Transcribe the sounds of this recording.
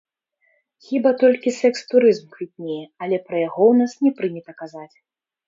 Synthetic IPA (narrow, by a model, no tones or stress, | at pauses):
xʲibat̪ɔlʲkʲisɛkst̪uɾɨzmkvʲit̪̚ʲnʲejɛɐlʲɛpɾɐjaɣɔwnasnʲɛpɾɨnʲɛt̪ɐkazat͡sʲ